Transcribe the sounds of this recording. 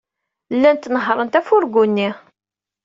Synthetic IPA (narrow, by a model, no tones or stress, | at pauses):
lːænt̪ːnəɦɾˤənt̪æfʊɾɡunːi